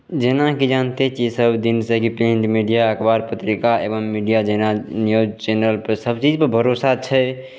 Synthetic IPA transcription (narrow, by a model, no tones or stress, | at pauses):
d͡ʒenakid͡ʒant̪et͡ʃid͡ʒsəbd̪insə̃kipẽɳʈmiɖijaəkbaɾpət̪ɾikaʔḛbəmːiɖijad͡ʒenanijod͡ʒt͡ʃenəlpəɾsəbt͡ʃid͡ʒpəɾbʱəɾosat͡ʃʰɛ